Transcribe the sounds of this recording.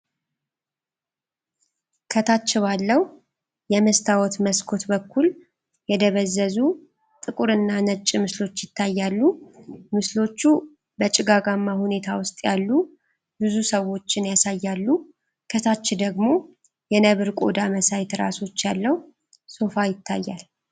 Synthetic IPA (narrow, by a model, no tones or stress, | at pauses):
kʰət̪ʰat͡ʃːɪβalːəhu | jɛməst̪ʰawɔt̪məskʰo̞t̪bəkʰːul | jɛd̪əβəzːəzu | t̪ʼɨkʼuɾɨnːanət͡ʃʼːɪmɨslo̞t͡ʃːjɪt̪ʰːajːalːumɨslo̞t͡ʃːu | bət͡ʃʼɪɡaɡamːahune̞t̪ʰawʊst̪ʼjalːu | bɨzusəwo̞t͡ʃːɪnjasajːalːu | kʰət̪ʰat͡ʃːɪd̪əɡmo̞ | jɛnəβɨɾkʼo̞̰d̪aməsajt̪ɾa̰so̞t͡ʃːjalːəhu | so̞fajɪt̪ʰːajːal